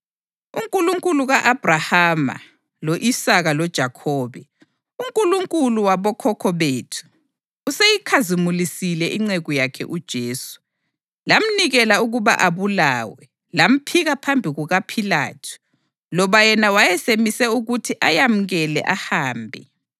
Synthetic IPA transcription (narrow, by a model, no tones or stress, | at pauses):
uŋkʼuluŋkʼuluɣaʔab̥ʱrahama̰ | loʔisaɣalɔd̥ʒ̥ʱakʰɔːβɛ | uŋkʼuluŋkʼuluwaβɔkʰɔkʰɔβeːtʰu̥ː | sejikʰazimulisilɛʔiŋ͡ǀɛɣujakʰɛ̰ʔud̥ʒ̥ʱeːsu̥ | lam̩niɣɛlauɣuβa̰ʔaβulaːwɛ | lam̩pʰiɣapʰambʱiɣuɣapʰila̰ːtʰu̥ | lɔβajɛnawajɛsemisɛuɣutʰiʔajam̩ɣɛlɛ̰ʔahaːmbʱɛ̰